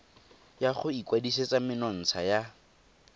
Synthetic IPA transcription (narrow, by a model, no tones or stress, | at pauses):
jaχʊikʼwadiset͡sʼamɪnɔn̩t͡sʰaja